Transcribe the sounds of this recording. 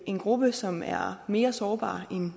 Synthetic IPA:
ʔe̝nɡ̥ʁub̥əsɒ̽mæɐme̝̰ːɐsɒːb̥ɑ̰̈ːʔen

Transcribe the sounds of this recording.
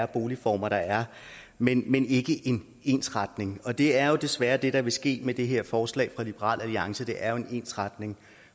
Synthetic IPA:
ɐb̥o̝ːlifɒ̰ːmɐɾ̥ɑ̈æɐ | menmene̝ɡ̥əʔe̝n | e̝̰nsʁäd̥ne̝ŋɒ̽d̥e̝æɐjo̝d̥e̝sʋæːɐd̥e̝ɾ̥ɑ̈ʋe̝sɡ̥e̝̰ːmed̥e̝ɦeɐ̰fɒːslɛ̰ːfʁɑ̈lib̥əʁɑ̰̈ːl̰ʔæliɑ̈ŋsəd̥e̝ʔæɐjo̝e̝ne̝̰nsʁɑd̥ne̝ŋ

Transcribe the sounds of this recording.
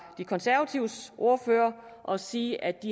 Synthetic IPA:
d̥ikʰɒ̽nsæɐæt͡sʰiʊsʔo̝ɐføːɐʔɒ̽siːʔæ̥i

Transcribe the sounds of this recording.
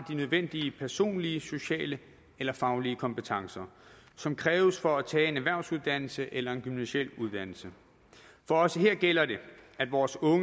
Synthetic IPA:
d̥inøð̞ˠʋen̰d̥iəpʰæɐso̝̰ːnliəso̝ɕɛ̰ːlə | elɐfɑ̈ʊliəkʰɒ̽mpət͡sʰɑ̈ŋsɐsɒ̽mkʰʁɛːʊəsfɒ̽æt͡sʰɛ̰ːe̝næʋæɐ̰ʊsuð̞ˠd̥æn̰l̩səʔelɐe̝nɡ̥ymnæɕḛl̰uðˠd̥æn̰l̩sə | fɒ̽ɒ̽səɦe̝ɐ̰ɡ̥elɐde̝æd̥ʋɒːsɔ̽ŋ

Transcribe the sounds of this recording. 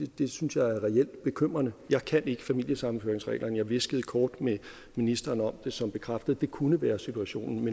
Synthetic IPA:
d̥e̝synsjɑ̈ɪæɐʁɛel̰d̥b̥e̝kʰøm̰ʁɐnəjɑ̈ɪkʰæne̝ɡ̥əfæmil̰jəsɑ̈mn̩føːɐeŋsʁɛ̰ːlʔɐnjɑ̈ɪʋe̝sɡ̥əð̩ˠkʰɒːd̥me | minisd̥ɐːnɒ̽md̥e̝sɒ̽mb̥e̝kʰʁafd̥əð̩ˠd̥e̝kʰunəʋæːɐsit͡sʰuæɕo̝̰ːnn̩men

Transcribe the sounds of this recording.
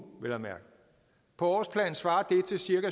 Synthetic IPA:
ʋelæmæɐɡ̥ | pʰɒ̽ɒːspʰlɛ̰ːn̩sʋɑ̈ːɐd̥e̝t͡sʰe̝lsiɐɡæ

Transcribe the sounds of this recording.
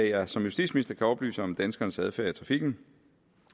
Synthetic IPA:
ɛjæsɒ̽mjusd̥ḭ̥ːsminisd̥ɐkʰæɒ̽b̥ly̰ːsɒ̽md̥ænsɡ̥ɐːnəsæð̞ˠfæːɐit͡sʰʁɑ̈fiɡ̥n̩

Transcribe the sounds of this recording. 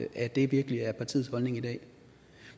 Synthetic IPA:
ʔæd̥e̝ʋiɐɡ̥əliæɐpʰɑ̈t͡sʰḭð̩ˠshɒ̽lne̝ŋid̥ɛ̰ː

